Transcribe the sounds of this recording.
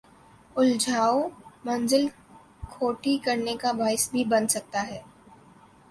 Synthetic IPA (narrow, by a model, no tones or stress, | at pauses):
ʊld͡ʒʱaːomɐ̃nzɪl | kʰoːʈikɐɾnekabaːɪsbʱibɐnsɐk̚t̪aɦɛː